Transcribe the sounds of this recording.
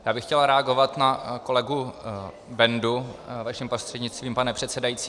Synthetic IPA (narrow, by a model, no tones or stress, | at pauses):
jaːbɪxcɛlaɾɛaɡo̞vat̪nako̞lɛɡu | bɛnduvaʃɛmpɾost̪r̥ɛdɲɪt͡st̪viːmpanɛpr̝̥ɛt̪sɛdajit͡siː